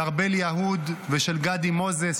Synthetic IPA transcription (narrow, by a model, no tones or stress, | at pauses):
aʁbeljaɦud̪veʃelɡad̪imo̞ze